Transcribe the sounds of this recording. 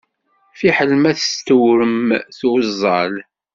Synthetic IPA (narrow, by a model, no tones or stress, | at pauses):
fiħəlmæθst̪ːəwɾəmθwzˤːɑl